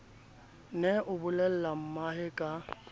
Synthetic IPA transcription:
nɛʔʊbʊlɛl̩lam̩maɦɪkʼa

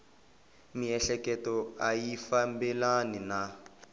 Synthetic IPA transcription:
miɛɬɛkɛtɔajifambɛlanina

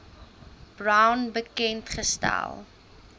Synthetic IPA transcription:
b̥rawnbəkɛntχəstæ̰lˠ

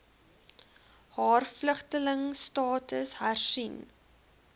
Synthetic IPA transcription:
hɑːrfləχtələŋstɑːtəsɦærsin

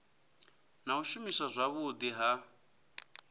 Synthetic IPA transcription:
nauʃumisazʷaβʊd̪iɦa

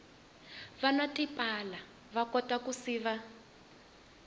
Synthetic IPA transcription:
βanatʼipʼala | βakɔtakusiːβa

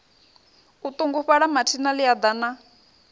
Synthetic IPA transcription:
ut̪uŋɡuɸaɺamatʰinalijad̪ana

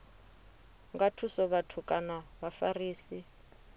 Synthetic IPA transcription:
ŋɡatʰusɔβatʰukʼanaβafariːsi

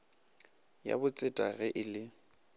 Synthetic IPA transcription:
ja̰bʊt͡sʼɪtʼaɣɛʔɪlɪ

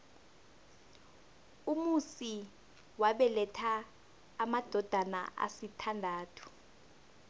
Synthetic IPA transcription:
umusi | waɓɛlɛtʰaː | mad̥ʱɔd̥ʱana̰ʔa̰sitʰandʱaːtʰu̥

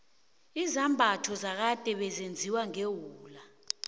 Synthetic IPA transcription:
izambʱatʰɔzak̬ad̥ʱʼɛɓɛzend͡zʱiwaŋewuːla

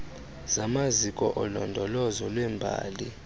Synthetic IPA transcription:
z̥amazikʼɔʔɔlɔndʱɔlɔzɔlwɛmbʱa̰ːli

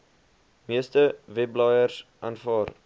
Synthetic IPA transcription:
miəstəvɛblɑːjərsʔɑnfɑːr

